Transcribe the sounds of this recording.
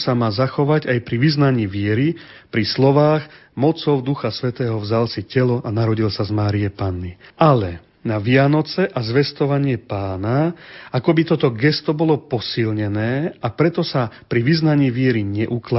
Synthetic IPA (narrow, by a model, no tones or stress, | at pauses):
samaːzaxɔʋaɟajpɾiʋiznaɲiːʋɪɛɾi | pɾislɔʋaːɣ | mɔt͡sɔʊd̪uxasʋɛt̪ɛːɦɔvzalsicɛlɔʔanaɾɔɟilsazmaːɾijɛpanːiʔalɛ | naʋɪanɔt͡sɛʔazʋɛst̪ɔʋaɲɪɛpaːnaakɔbit̪ɔt̪ɔɡɛst̪ɔbɔlɔpɔsilɲɛnɛːapɾɛt̪ɔsapɾiʋiznaɲiːʋɪɛɾiɲɛʔukla